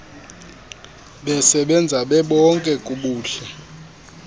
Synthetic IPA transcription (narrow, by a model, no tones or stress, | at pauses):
ɓɛsɛɓɛnd͡zʱaɓɛɓɔŋkʼɛkʼuɓuːɬɛ